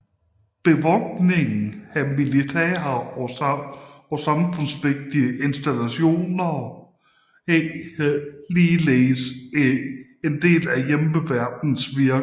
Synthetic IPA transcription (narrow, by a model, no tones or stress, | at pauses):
b̥e̝ʋɒɡ̥ne̝ŋn̩æmilit͡sʰɛ̰ːɐɒ | ɒ̽sɑ̈mfɔ̽n̰sʋe̝ɡ̥̚d̥iəʔe̝nsd̥ælæɕo̝̰ːnɐ | ehliːleːs | end̥e̝̰ːlæjeməʋæɐ̰d̥n̩sʋiɐ